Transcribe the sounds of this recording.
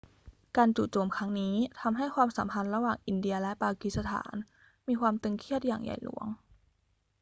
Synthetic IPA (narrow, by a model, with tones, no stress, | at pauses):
kaː˧nt͡ɕu˨˩t͡ɕo˧˩mkʰa˦˥ŋniː˦˥t̪ʰa˧mɦa˥˩jkʰwaː˧msa˩˦mpʰa˧nɾa˧waː˨˩ŋʔi˧˩ndi˧ɐlɛ˦˥ʔpaː˧ki˧˥t̪̚sa˧t̪ʰa̰ː˩˦n | miː˧kʰwaː˧mt̪ɯ˧ŋkʰi˥˩ət̪̚ja̰ː˨˩ŋja̰˨˩jlṵ˨˩˦əŋ